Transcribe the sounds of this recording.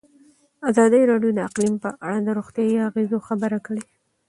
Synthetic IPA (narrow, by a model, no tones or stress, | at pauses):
azɑd̪əjɾɑɖjod̪əaqlimpəʔaɽad̪əɾoɣt̪jɑjiaɣezoxabəɾakəɽe